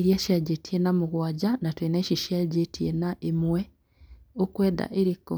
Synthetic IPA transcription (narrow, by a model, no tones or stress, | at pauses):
ɾiaʃiaɟetienamuɣwaːɟanatwenaeʃiʃjaɟetienaʔemwe | okweːda̰ʔeɾiko